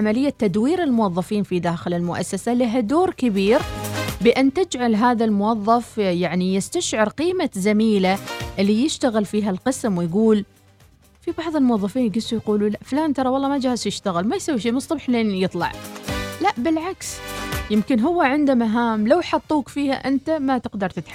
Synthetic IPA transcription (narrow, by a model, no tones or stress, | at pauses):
amalɪjːat̪ːad̪wiːɾɪlmʊwɑðˤːɑfiːnfid̪aːxɪlɪlmʊʔa̰sːasalɪɦad̪oːɾkɪbiːɾbɪʔant̪ɪd͡ʒʕalɦaːðalmʊwɑðˤːɑfjaʕnijɪst̪aʃʕɪɾqiːmazamiːlaʔɪlːijɪʃt̪aɣɪlfiːɦalqɨsmwɪjɡuːl | fibɑʕðˤɪlmʊwɑðˤːɑfiːnjɡɪsujquːlulaʔfʊlaːnt̪ɑɾˤɑwɑlˤːɑːmad͡ʒaːhɪzjɪʃt̪aɣɪlmajsawːiʃ̬eːmsˤːʊbħleːnjɨt̪ˤlɑ̰ʕlaʔbɪlʕaksjɪmkɪnɦʊwːaʕɪnd̪amaɦaːmlawħɑt̪ˤːuːkfiːha̰ʔɪnt̪amat̪ɪqd̪ɑɾˤt̪ɪt̪ħa